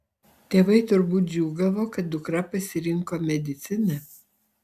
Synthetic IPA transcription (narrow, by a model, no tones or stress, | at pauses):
t̪ʲeːʋɐɪt̪ʊɾbuːt̪̚d͡ʒʲuːɡɐʋoːkɐt̪̚d̪ʊkɾɐpɐsʲɪɾʲɪŋkoːmʲɛd̪ʲɪt̪sʲɪnɐ